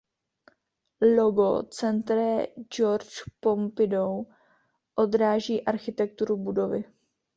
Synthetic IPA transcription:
loɡo̰t͡sɛnt̪ɾɛd͡ʒoɾt͡ʃpo̞mpɪdow | ʔo̞d̪ɾaːʒiːʔaɾxɪt̪ɛk̚t̪uɾubudo̞vɪ

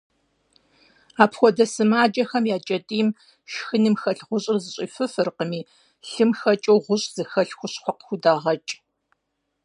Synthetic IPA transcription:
aːpxʷɔdɐsɨmaːd͡ʒʼɐxɐmjaːt͡ʃʼɐtʼiːm | ʃxɨnɨmxɐɬʁʷʊɕʼɪrzɨɕʼiːfɨfɨrqəmiː | ɬɨmxɐt͡ʃʼowʁʷʊɕʼz̥ɨxɐɬxʷʊɕχʷɔqxʷʊdaːʁɐt͡ʃʼ

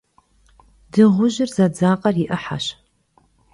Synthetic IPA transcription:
dɨʁʷʊʒɪrzɐd͡zaːqʼɐrjɪʔɨħa̰ɕ

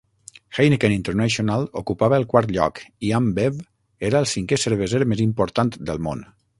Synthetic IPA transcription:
xajnekənĩnt̪əɾnaʃionalˠṵkupaβəəlˠkwaɾt̪ʎɔ̰kiambev | eɾəːlˠsiŋkesəɾβəzeɾmezimpuɾt̪ant̪d̪əlˠmo̰n

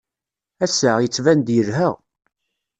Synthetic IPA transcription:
æsəʁjət͡sːvænd̪jəɾɦəʁ

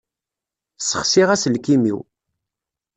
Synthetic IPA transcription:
səχsiʁæsəlkimḭw

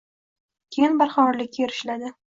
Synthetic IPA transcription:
kʲʰejɪnbaɾχɑmɒɾlɪkʲːjeɾɪʃlad̪ɪ

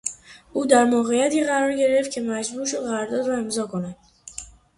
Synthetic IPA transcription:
ʔuːd̪æɾmoːɣejæt̪ʰiːɣæɾɒːɾɟe̞ɾe̞ft̪cʰe̞mæd͡ʒbuːɾʃo̞d̪ʁæɾɾd̪ɒːd̪ɾɒːe̞mzɒːkʰo̞nænd̪̥

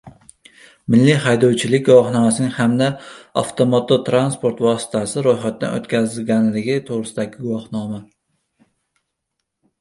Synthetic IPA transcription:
mɪlːɪhajd̪ɒwt͡ʃʰɪlɪk̚ʲɡʊwɒχnɒmasɪnɪŋhamd̪aɑ̰ft̪ʰomot̪ʰot̪ʰɾanspoɾt̪vɒsɪ̥t̪ʰasɪɾojχat̪̚d̪a̰no̰t̪kʲʰazɪlɡʲanlɪɡʲɪt̪ʰoʁɾɪsɪd̪aɡʲɪɡʊwɒhnɒma

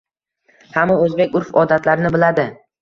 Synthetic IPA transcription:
hamːaɵzbekʲʊɾfɒd̪at̪laɾɪnɪbɪlad̪ɪ

